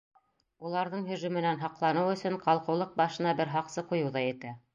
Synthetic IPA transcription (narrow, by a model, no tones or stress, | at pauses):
ulˠɑɾðɤɴɦɵ̆ʒʉmɘ̆nænɦɑqlˠɑnɤwɵ̆sɵɴqɑlˠqɤ̆wlˠɤq̚bɑʃɤ̆nɑbɘɾɦɑqsɤqujɤ̆wðɑjɘ̆t̪æ